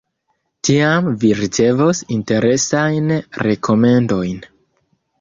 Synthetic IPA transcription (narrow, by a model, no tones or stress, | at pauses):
tiamviɾit͡se̞vosinte̞ɾe̞sajnɾe̞kʰo̞me̞ndo̞jn